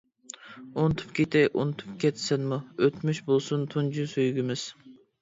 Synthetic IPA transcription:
ont̪ʰu̥pkʲet̪ɪʔunt̪ʰy̥p̚kʲʰɛt̪sɪnmuøt̪myʃbolˠsunt̪ʰund͡ʒysøjɡʲimɪz̥

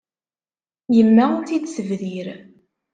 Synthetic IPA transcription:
jəmːæʊnθid̪səvðiɾ

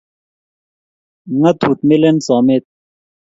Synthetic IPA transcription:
ŋɐt̪ʰuːt̪milensaːmeːt̪̚

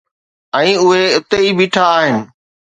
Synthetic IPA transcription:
ɛ̃ːʊɦeʊt̪eibiːʈʰaːɦɪnɪ̆

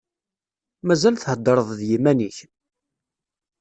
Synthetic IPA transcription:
mæzælθhəd̪ːəɾˤəðˤðjimæniç

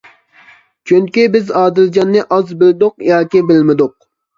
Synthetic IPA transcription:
t͡ʃʰyŋkʲibɪzɑːd̪ɪld͡ʒɑnːɨʔɑzbɪld̪ʊqjɑːkʲibɪlmɪd̪ʊq̚

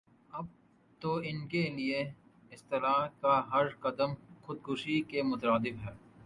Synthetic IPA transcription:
ɐb̚ | t̪oːɪnkelie | ɪst̪ɪlaːkaɦɐɾqɐd̪əmxʊd̪̚ɡʊʃikemʊt̪əɾaːd̪ɪbɦɛː

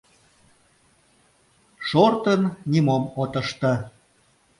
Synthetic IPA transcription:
ʃort̪ənnimomot̪ə̆ʃt̪ə

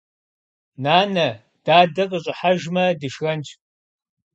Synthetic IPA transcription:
naːnɐ | d̥aːdɐqʼəɕʼɪħaʒmɐdɨʃɣɐnt͡ʃʰʼ

